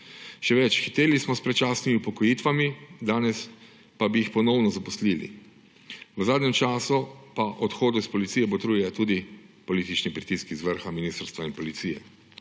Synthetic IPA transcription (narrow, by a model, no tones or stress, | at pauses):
ʃɛʋɛt͡ʃxit̪eːlismɔspɾɛt͡ʃasnimiupɔkɔjiːt̪ʋamid̪aːnɛs | pabijixpɔnɔwnɔzapɔsliːlḭ | ʋəzaːd̪nʲɛmt͡ʃaːsupaʔɔt̪xoːd̪ɔispɔlit̪sijɛbɔt̪ɾujɛt̪uːd̪ipɔliːt̪it͡ʃnipɾit̪iskizʋəɾxaminiːst̪ɾst̪ʋainpɔlit̪siːjɛ̰